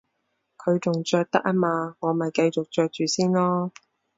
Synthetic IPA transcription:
kʰɵ˨˧ɥt͡ʃʊ˨ŋt͡ʃœː˧k̚t̪ɐ˥k̚ʔɐ˥maː˧ŋɔː˨˧mɐ˨jkɐ˧jt͡sʊ˨k̚t͡ʃœː˧k̚t͡ʃyː˨siː˥nlɔː˥

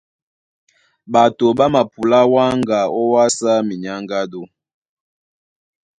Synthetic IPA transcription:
ba˨to˨ba˦ma˨pu˨la˦wa˦ŋɡa˨ɔ˦wa˦sa˦mi˨ɲa˦ŋɡa˦do˦

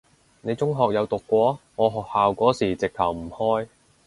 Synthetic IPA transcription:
ne˨˧jt͡sʊ˥ŋɦɔː˨k̚jɐ˨˧wt̪ʊ˨kːʷɔː˨˥ŋɔː˨˧ɦɔː˨k̚haː˨wkʷɔː˨˥siː˨˩t͡sɪ˨k̚t̪ʰɐ˨˩wm̩˨˩hɔː˥j

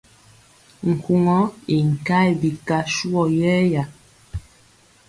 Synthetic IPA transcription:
ŋ̩˨ku˨ŋɔ˦i˨ŋ̩˨ka˦jbi˨ka˦ʃu˦ɔ˨jɛ˦ja˨

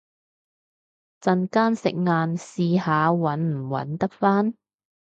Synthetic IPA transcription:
t͡sɐ˨˧nkaː˥nsɪ˨k̚ŋaː˧nsiː˨˧haː˨˧wɐ˨˥nm̩˨˩wɐ̰˨˥nt̪ɐ˥k̚faː˥n

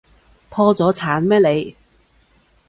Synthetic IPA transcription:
pʰɔː˧t͡sɔː˨˥t͡sʰaː˨˥nmɛː˥le˨˧j

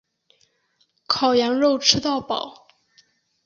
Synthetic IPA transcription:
kʰɑ˨˩ʊjɑ˧˥ŋɻo˥˧ʊʈ͡ʂʰɻ̩˥t̪ɑ˥˩ʊpɑ˨˩˦ʊ

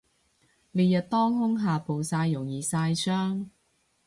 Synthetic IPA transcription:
le˨˧jɐ˨t̚t̪ɔː˥ŋɦʊ˥ŋɦaː˨po˨wsaː˧jːʊ˨˩ŋjiː˨saː˧jsœː˥ŋ

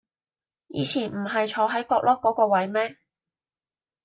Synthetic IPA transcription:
jḭː˨˧t͡sʰiː˨˩nm̩˨˩ɦɐ˨jt͡ʃʰɔː˨˥ɦɐ˨˥jkɔː˧k̚lʔɔː˥kːɔː˨˥kɔː˧wɐ˨˥jmɛː˥

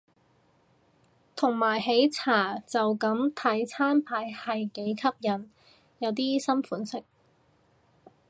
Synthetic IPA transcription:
t̪ʰʊ˨˩ŋmaː˨˩jɦe˨˥jt͡sʰaː˨˩t͡sɐ˨wkɐ˨˥mt̪ʰɐ˨˥jt͡sʰaː˥npʰaː˨˧jhɐ˨jke˨˥jkʰɐ˥p̚jɐ˨˩n | jɐ˨˧wt̪iː˥sɐ˥mfuː˨˥nsɪ˥k̚

